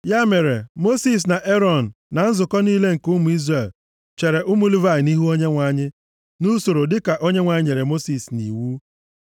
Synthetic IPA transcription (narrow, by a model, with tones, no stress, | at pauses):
ja˦me˨ɾe˨mo˦si˦s̬na˨ʔe˦ɾɔ˦˨n̩˨na˨n̩˦zʊ˨kɔ˦niː˦le˦ŋ̩˨ku˦mu˨i˦zɾe˦˨l | t͡ʃe˨ɾe˨ʔʊ˦mu˦li˦va˦˨ɪ˨ni˦ɦu˦o˦ɲe˦ŋʷa˦ɲɪ˦ | nu˦so˨ɾo˨dɪ˦ka˨ʔo˦ɲe˦ŋʷa˨ɲɪ˦ɲe˨ɾe˨mo˦si˨snḭ˨wu˦